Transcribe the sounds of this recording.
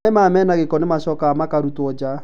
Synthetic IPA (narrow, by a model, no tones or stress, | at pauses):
ɛmamɛːnaɣekɔnemaʃɔkamakaɾutwɔd͡ʒa